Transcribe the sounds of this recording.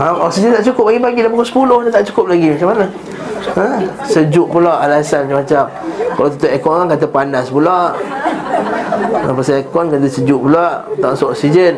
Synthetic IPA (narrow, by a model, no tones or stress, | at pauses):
ãɔ̰ksid͡ʒənt̪aʔt͡ʃukʊp̚laɡipaɡiʔlapbukʊnsə̥pulʊhdat̪aʔt͡ʃu̥kʊp̚laɡimat͡ʃamana | a | səd͡ʒʊʔpulɔʔalasanmat͡ʃamat͡ʃam | kalawt̪ət̪oekɔŋankat̪̬əpanaspulɔʔ | na̰pəsaekankat̪̬əsəd͡ʒuʔpulɔʔt̪aʔansɔɔksid͡ʒən